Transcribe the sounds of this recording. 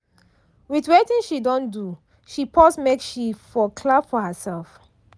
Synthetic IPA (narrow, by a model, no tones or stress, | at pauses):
wiθwetĩnʃidɔ̃ndu | ʃipʰɔsmekʃifɔkʰlabfɔhəsɛlˠf